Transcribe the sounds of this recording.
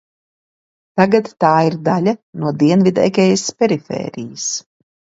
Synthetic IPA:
t̪aɡat̪ːaːiɾd̪alʲanuɔd̪iɛnvid̪ɛ̰kʲɛjaspʲɛɾifɛ̰ːɾijas

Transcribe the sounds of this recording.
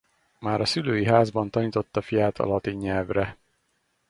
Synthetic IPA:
maːɾɒsyløːjiɦaːzbɒn̪t̪ɒniːt̪o̞t̪ːɒfijaːt̪ʰɒ̰lɒt̪iɲːɛlvrɛ

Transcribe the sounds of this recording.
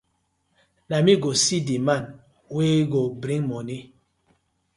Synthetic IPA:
namiɡosidiman | weːɡobɾiŋmɔni

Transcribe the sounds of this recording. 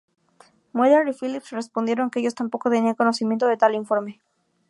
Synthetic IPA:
moðaɾifilipsre̞spond̪je̞ɾo̞ŋkeeʝo̞st̪ampo̞ko̞t̪e̞niaŋko̞no̞simjent̪oðet̪aliɱfo̞ɾme̞

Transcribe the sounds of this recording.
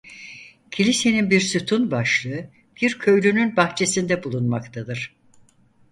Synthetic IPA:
cʰilʲise̞ninbiɾsut̪ʰunbaʃlˠɯɯ | b̥iɾcʰø̞jlʲynynbaxt͡ʃʰe̞sind̪ɛbulˠunmakt̪ʰad̪ɯɾ̥

